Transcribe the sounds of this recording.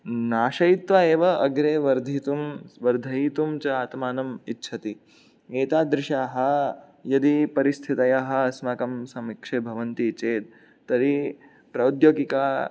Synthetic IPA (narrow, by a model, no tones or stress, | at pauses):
naːʃɐjit̪ʋaeːʋɐɐɡɾeːʋɐɾd̪ʱit̪umʋɐɾd̪ʱɐit̪umt͡ʃɐaːt̪maːnɐmitːʃʰɐt̪i | ɡeːt̪aːd̪ɾɪʃaːɦɐ | jɐd̪ipɐɾist̪ʰit̪ɐjaɦɐɐsmɐkɐmsɐmikʂeːbʱɐʋɐnt̪it͡ʃeːt̪̚ː | ɐɾi | pɾɐwd̪joːɡikaː